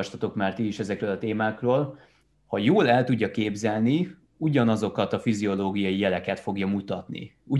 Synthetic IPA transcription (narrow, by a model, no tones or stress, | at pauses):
ʃt̪ɒt̪o̞kmaːrt̪iːʃɛzɛkrøːlɒt̪eːmaːkroːl | hɒjoːlɛlt̪uɟːɒkeːbzɛlni | uɟɒnɒzo̞kɒt̪ɒfizio̞loːɡijɒjijɛlɛkɛt̪fo̞ɡjɒmut̪ɒt̪nḭu